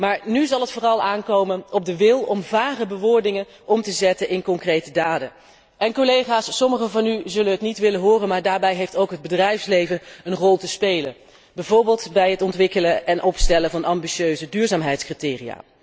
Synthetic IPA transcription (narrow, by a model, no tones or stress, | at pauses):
maːɹnyzɑlˠɦətfʊːrɑlˠaːnkowmənɔb̚dəʋɪlˠɔmvaːχəbəʋʊːɹdɪŋən | ʔɔmtəzɛtənʔɪnkɔŋkrejtədaːdə | ʔɛnkolejχaːsːɔməχəvɑnyzɵlənɦətnitʋɪlənɦʊːrənmaːɹdaːɹbɛjɦejftowkɦəd̚bədrɛjfslejvənənrɔlˠtəspejlən | bɛjvʊːɹbɪːlˠtbɛjɦətɔntʋɪkələʔɛnʔɔpstɛləvɑnʔɑmbiʃøːɥzədyːɹzaːmɦɛjtskritɪːria̰ː